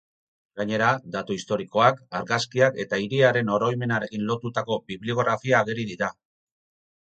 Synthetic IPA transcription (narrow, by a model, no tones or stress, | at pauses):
ɡaɲe̞ɾad̪at̪uist̪o̞ɾiko̞akaɾɣaskiake̞t̪aiɾiaɾe̞no̞ɾo̞jme̞naɾe̞kinlo̞t̪ut̪ako̞biβlio̞ɣɾafiaːɣeɾiðiɾa